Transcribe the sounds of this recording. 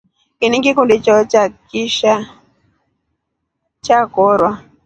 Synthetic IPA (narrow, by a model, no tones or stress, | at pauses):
kiniŋɡikundit͡ʃɔt͡ʃakiʃa | t͡ʃakɔɾwa